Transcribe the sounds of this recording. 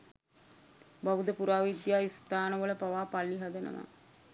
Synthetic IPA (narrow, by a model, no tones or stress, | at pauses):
baʋud̪əpuɾaːʋid̪jaːist̪aːnəʋələpaʋaːpalːiɦad̪ənə̰ʋa̰